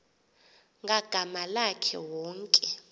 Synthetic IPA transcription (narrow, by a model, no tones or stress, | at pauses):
ŋʱaɡ̥ʱamalakʰɛ̰wɔːŋkʼɛ